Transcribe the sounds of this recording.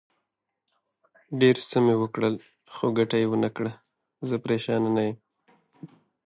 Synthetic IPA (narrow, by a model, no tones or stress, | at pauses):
ɖeɾsəmewəkɽəl | xoɡaʈajewənakɽa | zəpɾeʃɑnanajəm